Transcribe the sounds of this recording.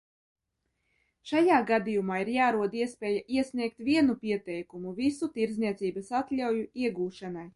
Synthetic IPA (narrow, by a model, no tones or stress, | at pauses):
ʃajaːɡad̪ijumaːiɾjaːɾuɔd̪iɛspʲɛːjaʔiɛsʲnʲiɛk̚t̪vʲiɛnupiɛt̪ɛjkumuvisut̪iɾdzniɛt̪siːbɐsat̪lʲawjuiɛɡuːʃanaj